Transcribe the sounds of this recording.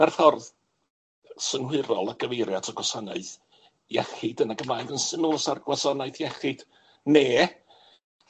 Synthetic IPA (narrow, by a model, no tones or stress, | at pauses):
arfɔrð | sənhwɨɾɔlˠaɡ̥əvejɾjatʰɔɡwɔsanaɨð | jɛχɪdənaɡəmlajɡənsɨnoːsarɡwasɔnajθjɛχɪd̥ | neː